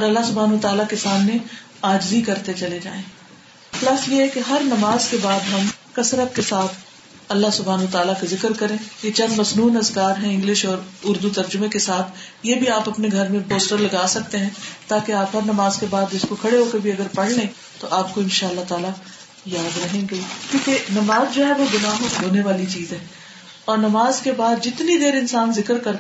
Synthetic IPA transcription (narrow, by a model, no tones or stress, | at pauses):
ɔːɾɐlːaɦsʊbʱaːnət̪aːlakesaːmne | aːd͡ʒzikɐɾt̪et͡ʃɐled͡ʒa̰ːẽː | plɐsjeɛkeɦɐɾnɐmaːzkebaːd̪ɦɐmkɐsɾəp̚kesaːt̪ʰ | ɐlːaɦsʊbʱaːnət̪aːlakezɪkəɾkɐɾẽːjet͡ʃɐ̃nd̪mɐznuːnɾɐzkaːɾɦɛ̃ɪ̃ŋɡlɪʃɔːɾʊɾd̪ut̪ɐɾd͡ʒʊmẽkesaːt̪ʰ | jeːbʱiaːpɐpneɡʱɐɾmẽpoːsʈəɾlɐɡaːsɐk̚t̪eɦɛ̃ːt̪aːkeaːpɦɐɾnɐmaːzkebaːd̪ɪskokʰɐɽeɦoːkɐɾbʱiɐɡəɾpɐɽ̤ne | t̪oʔaːp̚koɪ̃nʃaːəlːat̪aːla | jaːd̪ɾɐɦẽɡekjũːkenɐmaːzd͡ʒoɦɛʋoɡʊnaːmɦoːneʋaːlit͡ʃiːzɦɛ̃ː | ɔːɾnɐmaːzkebaːd̪d͡ʒɪt̪nid̪eːɾɪ̃nsaːnzɪkəɾkɐɾ